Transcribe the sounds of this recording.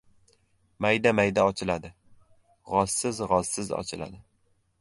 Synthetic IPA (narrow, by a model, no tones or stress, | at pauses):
majd̪amajd̪aɒt͡ʃʰɪlad̪ɪ | ʁɒz̥sɪzʁɒz̥sɪzɒ̰t͡ʃʰɪla̰d̪ɪ